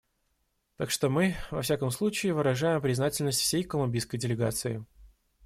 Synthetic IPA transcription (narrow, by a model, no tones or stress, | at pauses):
t̪akʂt̪o̞mɨvɐ̰fsʲakəmslˠut͡ɕɪːvɨɾɐʐajɪmpɾʲɪznatʲɪlʲnəsʲtʲfsʲejkəlˠʊmʲbʲijskəjdʲɪlʲɪɡat̪sɨɪ